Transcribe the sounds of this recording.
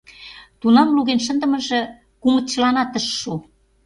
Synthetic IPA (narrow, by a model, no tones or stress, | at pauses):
t̪unɑmluɣenʃ̬ə̆nd̪ə̆mɤ̆ʒɤ̆ | kumə̆t̪t͡ɕəlɑnɑt̪əʃːu